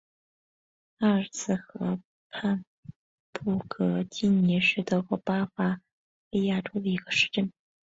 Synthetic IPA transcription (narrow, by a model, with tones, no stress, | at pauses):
ɐ˥˧t͡sʰɹ̩˥˩xɤ˧˥ | pʰa˥˧n | pu˥˩kʰɤ˧˥t͡ɕi˥˩nni˧˥ʂɻ̩˥˩t̪o˧˥xwo˥˩pa˥fa˥ | pi˥˧ja˥˩ʈ͡ʂʰu˥d̪ə˨˩i˧˥ɡə˧ʂɻ̩˥˧ʈ͡ʂə˥˩n